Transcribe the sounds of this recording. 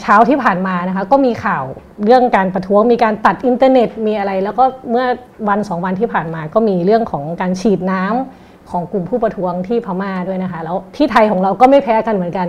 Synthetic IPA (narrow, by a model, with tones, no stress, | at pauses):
t͡ɕʰaː˦˥wt̪ʰiː˥˩pʰaː˨˩nmaː˧na˦˥kʰa˦˥kɔː˥˩miː˧kʰaː˨˩w | ɾɯ˥˩əŋkaː˧npɾa˧t̪ʰu˦˥əŋmiː˧kaː˧nt̪a˨˩t̪̚ʔi˧nt̪aː˧ne˨˩t̪̚miː˧ʔa˧ɾa˧jlɛː˦˥wkɔː˥˩mɯ˥˩ɐ | wa˧nsɔː˩˦ŋwa˧nt̪ʰiː˥˩pʰaː˨˩nmaː˧kɔː˥˩miː˧ɾɯ˥˩əŋkʰɔː˩˦ŋkaː˧nt͡ɕʰiː˨˩t̪̚naː˦˥m | kʰɔː˩˦ŋku˨˩mpʰuː˥˩pa˧t̪ʰu˦˥əŋt̪ʰiː˥˩pʰa˧˩maː˧˩du˥˩əjna˦˥kʰa˦˥lɛː˦˥wt̪ʰiː˥˩t̪ʰa˧jkʰɔː˩˦ŋɾa˧wkɔː˥˩ma˥˩jpʰɛː˦˥ka˧nm˩˦ənka˧n